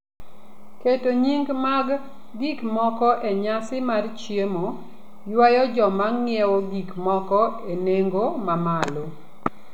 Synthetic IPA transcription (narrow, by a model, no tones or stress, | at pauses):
ketoɲiŋɡmaɡ | ɡikmɔkɔʔeɲasɪmart͡ʃjemo | jwajɔd͡ʒɔmaŋŋɪɛwoɡikmɔkɔeneŋɡomamalo